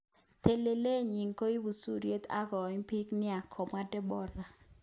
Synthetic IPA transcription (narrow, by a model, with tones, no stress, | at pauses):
t̪e˦le˨le˦˨ɲi˨ŋko˦i˦wu˨su˦ɾje˦t̪a˦kɔ˨i˦pi˦knɪ˦a˨kʰɔ˨ma˦dɛ˦bɔ˦ɾa˨